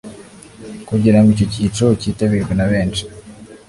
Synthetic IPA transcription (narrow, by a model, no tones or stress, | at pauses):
kuɟiɾamicociːt͡ʃocitaβiɾɡwenaβeːnt͡ʃi̥